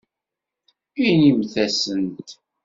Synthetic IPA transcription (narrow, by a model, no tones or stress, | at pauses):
inimθæsənt̪